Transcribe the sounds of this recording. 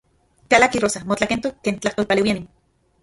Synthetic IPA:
kalakirosamot͡ɬakent̪okent͡ɬaht̪olpalewianim

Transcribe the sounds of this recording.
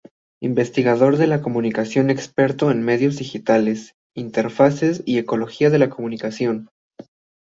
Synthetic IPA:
imbe̞st̪iɣað̞o̞ɾðe̞lako̞mũnikasjo̞ne̞kspe̞ɾt̪o̞enme̞ðjo̞zðixit̪ale̞s | int̪e̞ɾfase̞sie̞ko̞lo̞xiaðe̞lako̞mũnikasjo̞n

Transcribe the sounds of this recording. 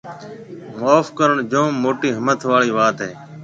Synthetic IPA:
moːfkəɾəɳd͡ʒõːmːoːʈiːɦəmət̪ʰʋaːɭiːʋaːt̪ɦeː

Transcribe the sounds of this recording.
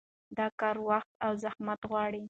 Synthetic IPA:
d̪ɑkɑɾwaxt̪awzahmat̪ɣwɑɽi

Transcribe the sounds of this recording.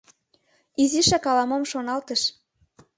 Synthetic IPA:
iziʃɑkɑlɑmomʃonɑlt̪ə̆ʃ

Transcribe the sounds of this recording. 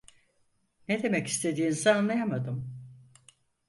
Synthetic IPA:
ned̪e̞mɛci̥st̪ʰe̞d̪iːnsaanlˠajamad̪ɯm

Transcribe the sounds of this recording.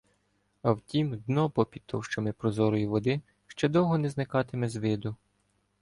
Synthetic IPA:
ɐwtʲimd̪nɔpɔpʲid̪̚t̪ʰɔwʃt͡ʃɐmɪpɾɔzɔɾɔjiʋɔd̪ɪ | ʃt͡ʃɛd̪ɔwɦɔnɛznɪkɑt̪ɪmɛzʋɪd̪ʊ

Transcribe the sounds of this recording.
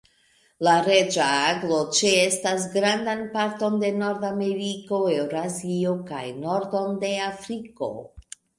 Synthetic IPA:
laɾe̞d͡ʒaaɡlo̞t͡ʃe̞estas̬ɡɾandanpaɾto̞nde̞no̞ɾdame̞ɾiko̞ewɾazio̞ka̰jno̞ɾdo̞nde̞afɾiko̞̰

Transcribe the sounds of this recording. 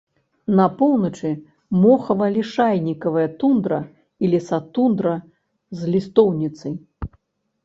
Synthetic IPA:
nɐpɔwnɐt͡ʂɨ | mɔxɐvɐlʲiʂajnʲikɐvɐjɐt̪und̪ɾɐ̰ | ilʲisat̪und̪ɾɐ | zlʲist̪ɔwnʲit̪sɐj

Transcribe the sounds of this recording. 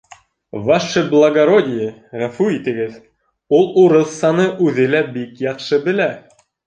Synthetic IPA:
vɑʃɘblˠɐɡɐɾodʲɪjɘʁæfʉit̪ɘ̆ɡɘð | ulˠuɾɤθsɑnɤʔʉðɘlæbikjɑqʃɤbɘ̆læ

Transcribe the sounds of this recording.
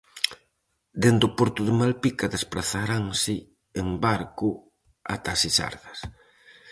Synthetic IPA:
d̪end̪ʊpɔɾt̪ʊðɪmalpikaðespɾaθaɾaŋsɪ | eŋbaɾkʊ | at̪asisa̰ɾɣɐs

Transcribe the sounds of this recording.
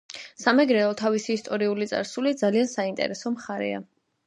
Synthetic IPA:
samɛɡɾɛɔt̪ʰavisiːst̪ʼɔɾiulit̪sʼa̰ɾsulid̪zaliansaint̪ʼɛ̰ɾɛsɔmχaɾɛ̰a̰

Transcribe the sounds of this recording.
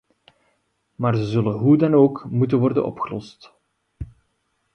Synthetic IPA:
maːrzəzɵlənɦudɑnoːkmutənʋɔrdə̰nʔɔ̰pxəlɔ̰st

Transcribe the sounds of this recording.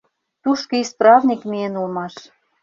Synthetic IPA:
t̪uʃkɤisprɑvnʲikmienulmɑʃ

